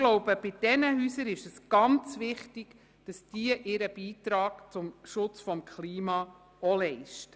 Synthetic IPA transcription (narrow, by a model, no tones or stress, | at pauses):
ɡ̥lɔʊb̥əb̥ɪd̥ɛnəɦyːsəɾɪʃɛsɡ̥ɑnt͡sʋɪχtiɡ̥ | d̥ɑsd̥iəʔɪɾəb̥iːtɾɑːɡt͡sʊmʃʊt͡sfɔmkχliːmɑː | ɔlɛɪʃt